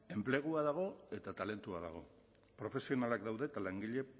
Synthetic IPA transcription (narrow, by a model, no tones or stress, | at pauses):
e̞mple̞ɣ̞uaðaɣ̞o̞e̞t̪at̪ale̞nt̪uaða̰ɣ̞o̞̰ | pɾo̞fe̞sio̞nalakd̪awðe̞ːt̪alaŋɡiʎe̞